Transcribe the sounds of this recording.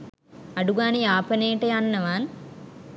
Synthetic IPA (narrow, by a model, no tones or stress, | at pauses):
ɐɖuɡaːnijaːpɐneːʈejanːɐʋaːn